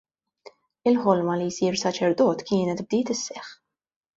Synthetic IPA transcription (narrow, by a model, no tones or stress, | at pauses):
ɪlħɔlmɐlijsiːɾsɐt͡ʃɛɾd̪ɔːt̪kɪːnɛt̪b̚d̪iːt̪ɪsːɛħ